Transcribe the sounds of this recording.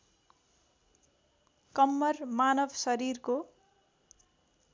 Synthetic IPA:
kʌmːʌrmanʌbʱsʌɾirko

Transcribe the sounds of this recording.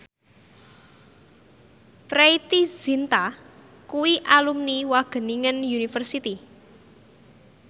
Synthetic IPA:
pɾeit̪iz̥int̪a | kuwiʔalumniwaɡ̥ə̤niŋənjunifərsit̪i

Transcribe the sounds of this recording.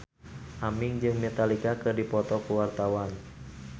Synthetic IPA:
ʔamɪŋd͡ʒɨŋmɛt̪alikakɨrdipɔt̪ɔkuwart̪awan

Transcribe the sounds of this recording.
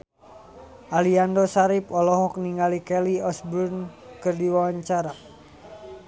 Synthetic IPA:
ʔaliandɔsaɾipɔlɔɦɔk̚niŋalikɛliɔsburnkɨrdiwawaɲt͡ʃaɾa

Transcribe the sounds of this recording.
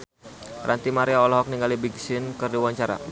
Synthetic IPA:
rʔant̪imaɾiaɔlɔɦɔk̚niŋɡalibiɡsɪnkərdiwaɲt͡ʃaɾa̰

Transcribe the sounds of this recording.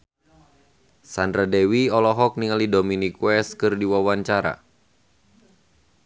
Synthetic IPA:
sandɾadewiɔlɔɦɔk̚niŋalidominikwɛskɨrdiwawaɲt͡ʃaɾa̰

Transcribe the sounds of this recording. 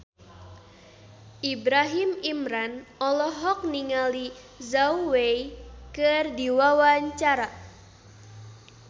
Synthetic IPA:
ʔibɾaɦimimɾanɔlɔɦɔk̚niŋali | zawwejkɨrdiwawaɲt͡ʃaɾa

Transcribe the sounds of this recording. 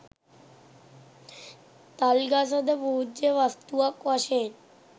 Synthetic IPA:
t̪alɡas̬ad̪eboɦud͡ʒeʋast̪uakʋaʃen

